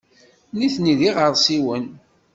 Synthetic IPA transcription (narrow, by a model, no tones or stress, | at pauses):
niθniðiʁəɾˤsiwən